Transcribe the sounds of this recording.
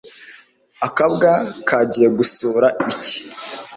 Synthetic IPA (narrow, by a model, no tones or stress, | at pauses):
akaβɡakʰaɟijeɡusoːɾaici̥